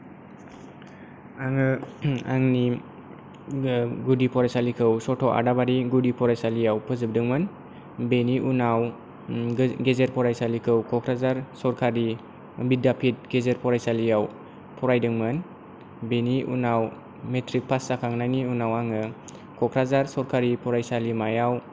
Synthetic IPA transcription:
aŋɯaŋni | ɡudipʰɔɾajsalikʰɯwsɔtʰɔʔa̰dabaɾiɡudipʰɔɾajsalijawpʰɯzɯb̚dɯŋmɯn | beniʔunaw | ɡezeɾpʰɔɾajsalikʰɯwkʰɔkʰɾazaɾsɔɾkʰaɾi | bidapʰit̚ɡezeɾpʰɔɾajsalijaw | pʰɔɾajdɯŋmɯn | beniʔṵnaw | metʰɾik̚pʰasːakʰaŋnajniunawaŋɯ | kʰɔkʰɾazaɾsɔɾkʰaɾipʰɔɾajsalimajaw

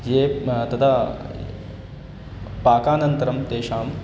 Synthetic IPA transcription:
jeːt̪ɐt̪ʰa | paːkaːnɐnt̪ɐɾɐmt̪eːʃaːm

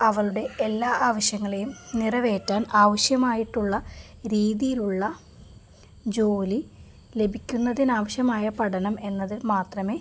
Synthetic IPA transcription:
ɐʋɐɭuɽe̞elːaːʔaːʋɐɕjɐŋːɐɭejumnirɐʋe̞ːtːaːnaːʋɐɕjɐmaːjiʈːuɭːɐɾiːðijiluɭːɐ | d͡ʑo̞ːli | le̞bʱikʲːunːɐðinaːʋɐɕjɐmaːjɐpɐɽɐnɐme̞nːɐðɨmaːt̪rɐme̞ː

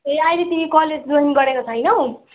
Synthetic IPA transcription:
eajlet̪imikʌled͡zd̪oɦiŋɡʌɾekot͡sʰʌjnʌw

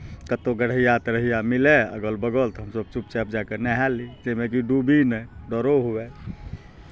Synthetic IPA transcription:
kət̪oɡəɽ̤ijat̪ɾəɦijamileə̰ɡəlbəɡəlt̪ɔɦəmsəb̚t͡ʃup̚t͡ʃɛp̚d͡ʒakenɛɦɛlid͡ʒemekiɖubʱinɛɖɔɾoɦuɛ

